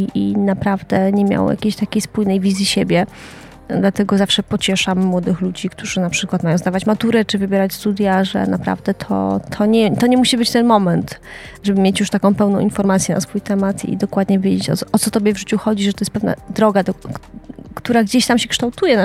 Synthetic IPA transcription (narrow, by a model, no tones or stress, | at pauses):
iʔinapɾavd̪ɛɲɛmʲja̰wja̰kʲeɕt̪akʲejspujnɛjvʲizʲjiɕebʲjɛ | d̪lat̪ɛɡɔzafʂɛpɔt͡ɕɛʂamːwɔd̪ɘxlud͡ʑikt̪uʐɘnapʂɘkwat̪majɔ̃w̃zd̪avat͡ɕmat̪uɾɛt͡ʂɘvɘbʲjɛɾat͡ɕst̪ud̪ʲjaʐɛ̰napɾa̰vd̪ɛt̪ʰɔ̰t̪ʰɔɲɛt̪ɔɲɛmuɕibɘt͡ɕt̪ɛnmɔmɛnt̪ʐɛbɘmʲjet͡ɕjuʂt̪akɔ̃w̃pɛwnɔ̃w̃infɔɾmat̪sʲjɛnʔa̰sfujt̪ɛmat̪ʰḭd̪ɔkwad̪ɲɛvʲjed͡ʑet͡ɕɔ̰ɔt̪sɔt̪ɔbʲjɛvʐɘt͡ɕuxɔd͡ʑiʐɛt̪ɔjɛs̚pɛvna̰d̪ɾɔɡad̪ɔ | kt̪uɾaɡd͡ʑeɕt̪amɕɛkʂt̪awt̪ujɛn